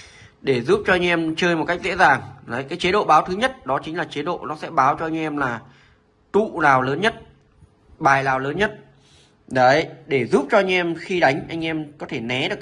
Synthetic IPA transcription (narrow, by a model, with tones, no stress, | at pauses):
ɗe˧˩zu˦˥p̚t͡ɕɔ˧ʔa˧jŋ̟ʔɛ˧mt͡ɕəː˧jm˨˩t̚ka˦˥k̚zḛ˧˥zaː˨˩ŋə˨˦jkaː˨˦jt͡ɕe˨˦ɗo̰˧˨ɓaː˨˦wt̪ʰɨ˨˦ɲə˦˥t̚ɗɔ˨˦t͡ɕï˨˦ŋ̟laː˨˩t͡ɕe˨˦ɗo̰˧˨nɔ˨˦sɛ̰˧˥ɓaː˨˦wt͡ɕɔ˧ʔa˧ŋ̟ʔɛ˧mlaː˨˩ | t̪ṵ˧˨naː˨˩wləː˨˦nɲə˦˥t̚ | ɓaː˨˩jlaː˨˩wləː˨˦nɲə˦˥t̚ | ɗə˨˦jɗe˧˩zuː˦˥p̚t͡ɕɔ˧a˧jŋ̟ʔɛ˧mxi˧ɗa˨˦jŋ̟ʔa˧jŋ̟ʔɛ˧mkɔ˨˦t̪ʰe˧˩nɛ˨˦ɗɨ˨˩ək̚